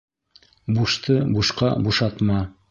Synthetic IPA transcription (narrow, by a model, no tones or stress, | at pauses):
buʃt̪ɤbuʃqɑbuʃɑt̪mɑ